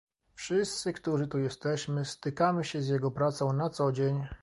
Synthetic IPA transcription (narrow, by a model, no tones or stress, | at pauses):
fʂɘst̪sɘkt̪uʐɘt̪ujɛst̪ɛɕmɘst̪ɘkamɘɕɛzʲjɛɡɔpɾat̪sɔ̃w̃nat̪sɔd͡ʑeɲ